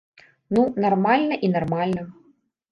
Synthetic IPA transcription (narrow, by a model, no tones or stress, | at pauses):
nunarmalʲnɐʔinarmalʲnɐ